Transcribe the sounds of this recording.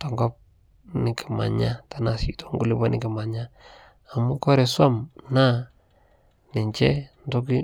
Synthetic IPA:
tɔ˨ŋɡɔ˦p̚ | nɪ˨ki˨ma̰˨ɲa˦ta˨˦na˨sḭ˨to̥˦ŋɡu˦lɪ˦ba˦nɪ˦kɪ˨ma˨ɲa˦ | a˨mu˦kɔ˦ɾe˨swa˦mna˦ | nɪ˨ɲt͡ʃɛ˦n˦to˦k̬i˦

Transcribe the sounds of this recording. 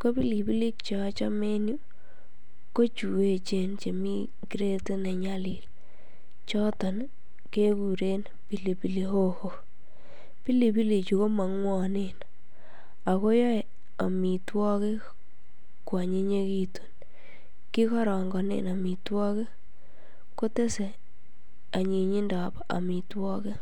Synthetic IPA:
ko˦pi˦li˨pi˦li˦k̚t͡ʃɔ˨˦t͡ʃɔ̰˦me˦nju˦ | ko˦t͡ʃu˨e˦t͡ʃe˦˨nt͡ʃe˨mi˦ | ki˦ɾe˦te˦nɛ˨ɲa˦lɪ˨l | t͡ʃɔ˦tɔ˨n | ke˦ku˨ɾe˦n | pi˨li˨pi˨li˨ho˦ho˨ | pi˦li˨pi˦li˨t͡ʃu˨ko˦ma˨ŋwɔ˦˨ne˨n | a˨ko˦jɔ˦˨ | a˨mi˨twɔ˦ke˦ | kwa˨ɲe˦ɲe˦ki˦tu̥˨n | ki˦kɔ˦ɾɔ˨ŋɡɔ˨nḛ˨na˨mi˨twɔ˦ke˦ | ko˦te˦se˨ | a˨ɲe˨ɲi˦nda˨p | a̰˨mi˨twɔ˦ke˦

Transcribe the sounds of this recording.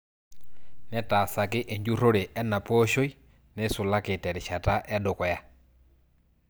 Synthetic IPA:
nɛ˦ta˨sa˨kɪ˦ʔe˨ɲd͡ʒu˦ɾo˦ɾe˨ʔɛ˦nːa˨po˦ʃo˦i˦ | nɛ˦sʊ˨la˦kɪ˨tɛ˨ɾɪ˨ʃa˨ta˦ʔɛ˦dʊ˨kwɔ˨ja˦

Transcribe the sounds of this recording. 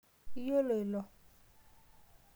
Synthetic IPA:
i˦jo˦lo˨e˨lɔ˨

